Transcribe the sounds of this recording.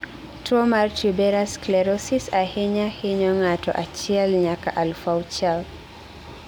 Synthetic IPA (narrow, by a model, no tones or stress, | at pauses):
tuɔmaɾtʰibɛɾasklɛɾɔsisahiɲahiɲɔŋatɔ̰ʔat͡ʃialɲaka̰ʔalfawt͡ʃal